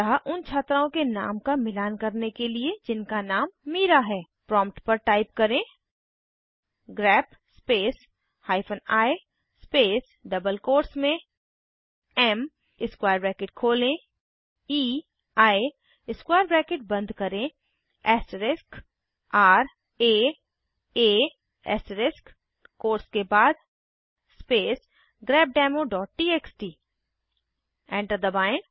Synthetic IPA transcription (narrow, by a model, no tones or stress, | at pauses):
ɦaʔʊnt͡ʃʰaːt̪ɾaõkena̰ːmkamɪlaːnkɐɾnekelied͡ʒɪnkanaːmːiːɾaɦɛː | pɾɔ̃ːmpʈpɐɾʈaːɪp̚kɐɾẽ | ɡɾɛːp | speːs | haːɪpʰənaːe | speːs | ɖɐbəlkoːɾsmẽ | ɛm | ɪskwaːɾbɾɛːkeːʈ̚kʰoːlẽ | iː | aːe | ɪskwaːjəɾbɾɛːkeʈ̚bɐ̃nd̪ʱkɐɾẽ | ɛːsʈəɾɪsk | aːɾ | eː | eː | ɛ̰ːsʈəɾɪsk | koːɾskebaːd̪ | speːs | ɡɾɛːb̚ɖɛːmoɖɔːʈ̚ʈiːeːksʈiː | ɛ̃ːɳʈəɾd̪əbaːɪ̃